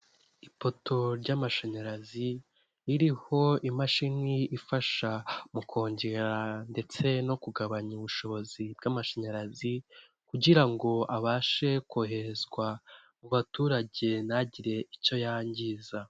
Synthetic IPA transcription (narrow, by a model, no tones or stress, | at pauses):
ipo̞tʰo̞ɾɟaːmaʃeɲaɾazi | iɾiho̞imaʃiniːfaʃamukʰo̞ːɲɟe̞ɾande̞t͡se̞no̞kuɡaβaɲuuβuʃo̞βo̞zib̚ɡamaʃeɲaɾazi | kuɟiɾaŋɡo̞aβaːʃe̞koɦe̞ɾezɡwa | muβatuːɾaɟe̞naɟiɾe̞ico̞jaːɲɟiːza